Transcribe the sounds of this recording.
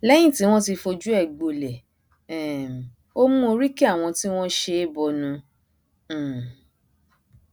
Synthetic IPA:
lɛ˦j̃ĩ˦˨ti˨˦w̃ɔ̃˦ti˧fo˧d͡ʒu˦ɛ˦˨ɡ͡bo˨˧lɛ˨ | ɛ˨ | o˦mũ˦o˧ɾi˦ki˦a˦˨w̃ɔ̃˧ti˦w̃ɔ̃˦ʃe˧e˦bɔ˧nũ˧˨

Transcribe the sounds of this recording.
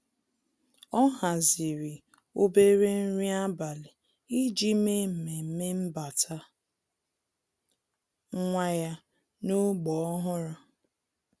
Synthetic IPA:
ɔ˦ɦa˨zɪ˨ɾi˨ | o˦be˦ɾe˦n̩˦ɾi˦a˦ba˨li˨ | i˦d͡ʒi˦me˦m̩˨me˨m̩˦me˦m̩˦ba˨tʰa˦ | ŋ˦ŋʷa˦ja˦ | no˦ɡ͡bɔ˨ɔ˦ɦʊ˦ɾa˦

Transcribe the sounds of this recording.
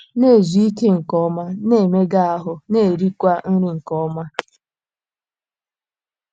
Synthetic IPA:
ne˦˨zu˨˦i˦ke˦ŋ̩˨kɔ˦ma˦ne˦˨me˦ɡa˦a˨ɦʊ˨ne˦˨e˨ɾi˦kʷa˦n̩˦ɾi˦ŋ̩˨kɔ˦ma˦

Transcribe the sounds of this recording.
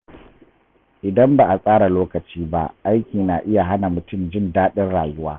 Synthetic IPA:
ʔɪ˨dɐ˦mba˨ʔa˨sʼaː˦ɽa˨loː˦kɐ˨t͡ʃiː˦ba̰˦ʔa˦jkʲiː˨naː˨ʔɪ˦ja˨ɦa˦na˨mʊ˨tʊ˦˨md͡ʒɪ˦˨ndaː˦ɗɪ˦nɽaː˨jʊ˦waː˦

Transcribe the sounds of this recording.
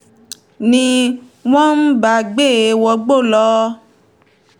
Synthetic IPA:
nĩ˧ | w̃ɔ̃˦n̩˦ba˧˨ɡ͡be˦˨˦wɔ˧ɡ͡bo˦˨lɔ˧˦

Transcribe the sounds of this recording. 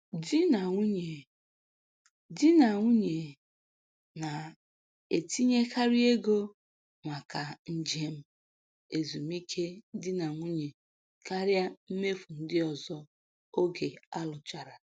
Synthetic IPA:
di˦na˨ŋʷu˦ɲe˨ | dɪ˦na˨ŋʷu˦ɲe˨ | na˨ | e˨ti˦ɲe˦kʰa˦ɾi˦e˦ɡo˦ | ŋʷa˨ka˨n̩˦d͡ʒe˦m̩˦ | e˨zu˨m˦i˦kʰe˦dɪ˦na˨ŋʷu˦ɲe˨ | ka˦ɾja˦m̩˦me˦fu˨n̩˦dɪ˦ɔ˨zɔ˦ | o˦ɡe˨a˦lʊ˨t͡ʃa˨ɾa˨

